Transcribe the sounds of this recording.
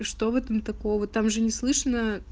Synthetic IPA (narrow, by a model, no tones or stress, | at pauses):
ʂt̪o̞vɛt̪əmt̪ɐkoəvot̪ːamʐɨnʲɪslˠɨʂnə